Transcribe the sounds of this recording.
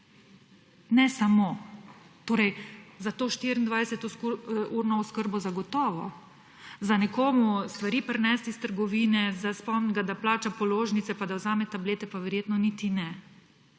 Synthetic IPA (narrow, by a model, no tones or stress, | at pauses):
nɛsamoːt̪oːɾɛjzat̪oːʃt̪iːɾind̪ʋajsɛt̪ɔsuːɾnɔɔskəɾbɔzaɡɔt̪ɔːʋɔ | zanɛkoːmust̪ʋaɾiːpɾnɛst̪ist̪əɾɡɔʋiːnɛzaspɔmnɡad̪aplaːt͡ʃapɔloːʒnit̪sɛpad̪awzaːmɛt̪ableːt̪ɛpaʋɛɾjeːt̪nɔnit̪inɛ